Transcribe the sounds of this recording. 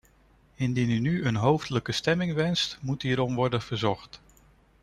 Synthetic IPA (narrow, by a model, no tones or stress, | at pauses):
ɪndinynyənɦowfdələkəstɛmɪŋʋɛnstmutɦiːɾɔmʋɔɹdənv̥əɹzɔχt